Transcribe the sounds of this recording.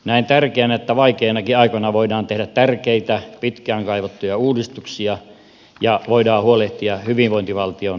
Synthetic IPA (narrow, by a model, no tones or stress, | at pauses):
næˑint̪ærkeænet̪ːæʋɑikeːnɑkiɑikonɑʋoidɑːnt̪ehdæt̪t̪ærkeit̪æpit̪kæːŋkɑiʋot̪ːujɑuːdist̪uksiɑ | jɑʋoidɑːhuoleht̪iɑhyʋinʋoint̪iʋɑlt̪ion